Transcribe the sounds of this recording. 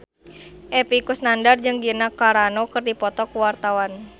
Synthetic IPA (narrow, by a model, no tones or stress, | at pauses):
ʔɛpikusnandard͡ʒɨŋɡinakaɾanokɨrdipɔt̪ɔkuwart̪awan